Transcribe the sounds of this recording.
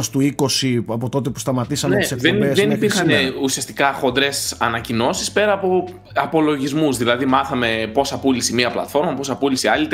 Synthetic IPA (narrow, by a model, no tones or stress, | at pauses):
st̪uikosiɐpot̪o̞t̪epu̥st̪ɐmɐt̪isɐneseðensðenipiɾxɐneusiɐst̪i̥kɐxo̞nd̪ɾe̞sɐnɐcino̞sispe̞ɾɐːpo̞ | ɐpo̞lo̞ʝizmuzðilɐðimɐθɐme̞po̞sɐpulisimiɐplɐ̰t̪fo̞ɾmɐpo̞sɐpulisiɐlit̪